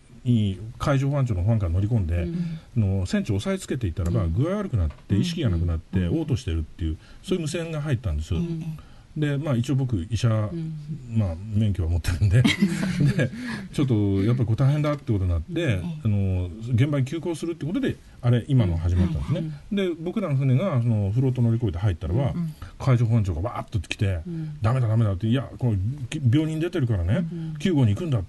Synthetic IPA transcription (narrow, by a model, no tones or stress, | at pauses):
ɲikʰaiʑo̞ːɸãɲ̟t͡ɕoːnoɸãŋkano̞ɾʲikõ̞nd̪e̞ano̞sẽ̞ɲ̟t͡ɕio̞saet͡sɨ̥ke̞t̪e̞it̪ːaɾabaɡɯ̟aiβaɾɯ̟kɯ̟nat̪ːe̞iɕi̥kʲiɡanakɯ̟nat̪ːe̞o̞ːt̪o̞ɕi̥t̪e̞ɾɯ̟t̪ːe̞jɯ̟ | soːjɯ̟mɯ̟sẽ̞ŋɡaɦait̪ːãnd̪e̞sɨ | d̪e̞maːit͡ɕiobo̞k̬ɯ̟iɕa | mamẽ̞ŋkʲjo̞βamot̪ːe̞ɾɯ̟̃nd̪e̞d̪et͡ɕo̞t̪ːo̞jap̬ːaɾʲiko̞ːt̪aiɦẽ̞nd̪at̪eiɯkooɲĩnat̪ːe̞ano̞ɡẽ̞mbaɲ̟ikʲɨːko̞ːsɨɾɯt̪ːeiɯko̞t̪o̞d̪e̞ | aɾe̞ʔimanoɦaʑimat̪ːã̰nd̪esɨned̪e̞bo̞kɯ̟ɾãnɸɯneɡasono̞ɸɯ̟ɾo̞ːt̪̬ːono̞ɾʲiko̞id̪eɦait̪ːaɾaβakʰaiɕoɦõɲ̟t͡ɕo̞ːɡaβaːt̪ːot̪ːe̥kʲi̥t̪e̞d̪ame̞d̪ad̪ame̞d̪at̪ːeijakobʲo̞ːɲ̟ĩnd̪e̞t̪e̞ɾɯ̟kaɾanekʲɨːɡo̞ːɲ̟iːkɯ̟̃nd̪a